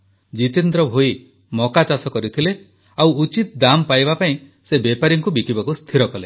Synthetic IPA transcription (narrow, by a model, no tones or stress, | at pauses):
d͡ʒit̪ind̪ɾɔbʱoi | mɔkat͡ʃasɔkɔɾit̪ʰile | awut͡ʃit̪d̪ampajbapaĩ | sebepaɾiŋkubikibakust̪ʰiɾɔkɔle